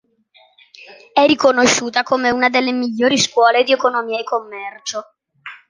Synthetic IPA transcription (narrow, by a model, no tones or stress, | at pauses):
ɛːikonoʃːuːt̪akomeunad̪elːemiʎːoːɾiskwɔːled̪iekonomiːaekːomːɛrt͡ʃo